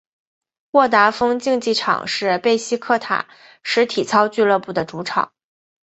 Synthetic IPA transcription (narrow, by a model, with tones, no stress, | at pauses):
wɔ˥˩t̪a˧˥fɤ˥ŋt͡ɕi˥˧ŋt͡ɕi˥˩ʈ͡ʂʰɑ̰˨˩ŋʂɻ̩˥˧pe˥˩ɪɕi˥kʰɤ˥˩t̪ʰa̰˨˩˦ | ʂɻ̩˧˥t̪ʰi˨˩t͡sʰɑ˥ʊt͡ɕy˥˧lɤ˥˧pu˥˩d̪ə˩ʈ͡ʂu˧˥ʈ͡ʂʰɑ̰˨˩˦ŋ